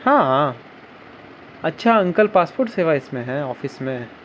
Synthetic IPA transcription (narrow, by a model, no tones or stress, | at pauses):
hãːɦã | ɐtːʃʰaɐ̃ŋkəlpaːspoːɾʈseːʋaɪsmẽɦɛɔːfɪsmẽ